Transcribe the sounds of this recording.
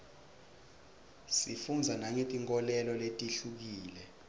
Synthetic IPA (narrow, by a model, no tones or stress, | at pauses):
sifund͡zʱanaɲetʼiŋkʼɔlɛlɔletʼiɬuk̬iːlɛ